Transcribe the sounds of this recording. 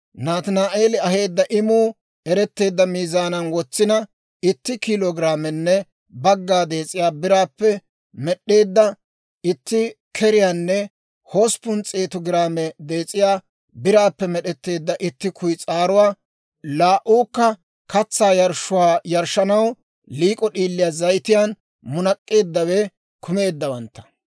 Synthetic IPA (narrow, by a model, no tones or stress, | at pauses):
naːt̪ɪnaːʔeːlɪɐɦe̞ːd̪ːɐʔɪmuː | ɛɾɛt̪ːe̞ːd̪ːɐmiːzaːnɐnwɔt͡sːɪnɐ | ɪt̪ːɪkɪloɡɪɾaːmɛnːɛ | bɐɡːaːd̪e̞ːt͡sʼɪjaːbɪɾaːpːɛ | mɛɗːe̞ːd̪ːɐ | ɪt̪ːɪ | kʰɛɾɪjaːnːɛ | hoːspʊnt͡sʼeːt̪ɔɡɪɾaːmɛd̪e̞ːt͡sʼɪjaː | bɪɾaːpːɛmɛɗɛt̪ːe̞ːd̪ːɐʔɪt̪ːɪkʰʊjt͡sʼaːɾʊwaː | laːʔuːkːɐ | kɐt͡sːaːjɐɾʃʊwaːjɐɾʃɐnɐw | liːkʼɔɗiːlːɪjaːzɐjt̪ɪjaːn | mʊnɐkʼːe̞ːd̪ːɐwɛ | kʰʊme̞ːd̪ːɐwɐnt̪ːɐ̥